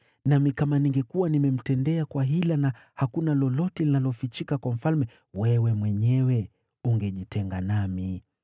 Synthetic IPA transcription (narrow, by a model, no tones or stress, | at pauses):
namikamaniŋɡɛkuwanimɛm̩tɛndɛakwaɦilanahakunalɔlɔtɛlinalɔfit͡ʃikakwam̩falmɛ | wɛwɛmwɛɲɛwɛ | uŋɡɛʄitɛŋɡanami